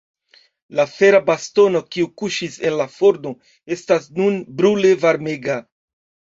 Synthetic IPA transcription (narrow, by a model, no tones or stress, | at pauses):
lafe̞ɾabasto̞no̞kiukuʃise̞nlafo̞ɾno̞ | e̞stasnunbɾule̞vaɾme̞ɡa